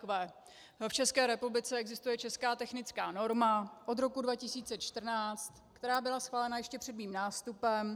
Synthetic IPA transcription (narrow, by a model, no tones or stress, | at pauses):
ɛː | ft͡ʃɛskɛːɾɛpublɪt͡sɛɛɡzɪst̪ujɛt͡ʃɛskaːt̪ɛxnɪt͡skaːno̞ɾmaʔo̞d̪ɾo̞kudvacɪsiːt͡sɛt͡ʃt̪r̩naːt͡st̪kt̪ɛɾaːbɪlasxvaːlɛnajɛʃcɛpr̥ɛdmiːmnaːst̪upɛm